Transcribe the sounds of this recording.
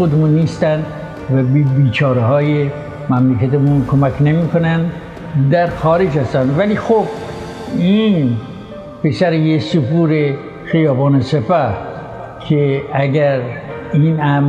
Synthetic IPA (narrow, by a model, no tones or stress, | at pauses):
od̪emunːiːst̪ænd̪ | væbbiːt͡ʃʰɒːɾeɦɒːje | mæmlekʰæt̪emunkʰomækʰnemiːkonæn | d̪æɾxɒːɾed͡ʒhæst̪ænd̪væliːxob̥ | in | pesæɾejesupuːɾe | xijɒːbɑːnesepæh | kʰeæɡæɾinæm